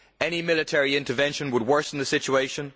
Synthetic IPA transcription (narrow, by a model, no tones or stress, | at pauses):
ɛñimɪlˠɨtʰɛɹiɪ̃ntə˞vɛ̃nʃə̃nwəd̚wɜ˞sn̩ðɨsɪt͡ʃueɪʃə̃n